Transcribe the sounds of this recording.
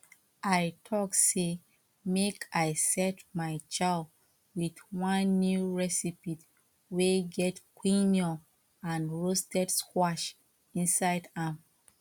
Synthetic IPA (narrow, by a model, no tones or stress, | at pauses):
ʔaɪtʰɔkse | mekʰaɪsɛtmaɪt͡ʃaɪl | wiθwʌ̃nːjuɹɛsipit | weɡɛtkwĩnjɔ̃ | ãnɹostɛdskwaʃ | ĩnsaɪdãm